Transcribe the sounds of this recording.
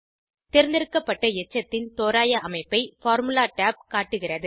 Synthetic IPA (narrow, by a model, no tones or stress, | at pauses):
t̪ɛɾɯnd̪ɪɾɯkːɐpːɐʈːɐɛt͡ʃːɐt̪ːɪnt̪oːɾaːjɐʔɐmɐɪpːɐɪfaːɾmɯlaːʈaːp̚kaːʈːɯɣɪrɐðɯ